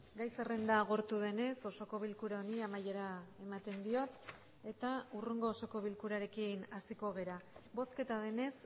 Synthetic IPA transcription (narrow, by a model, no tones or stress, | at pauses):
ɡajse̞re̞nd̪aːɣ̞o̞ɾt̪uðe̞ne̞so̞so̞ko̞β̞ilkuɾaoniamaje̞ɾae̞mat̪e̞nd̪io̞t̪ | e̞t̪auruŋɡo̞ːso̞ko̞β̞ilkuɾaɾe̞kinasiko̞ɣ̞e̞ɾabo̞ske̞t̪aðe̞ne̞s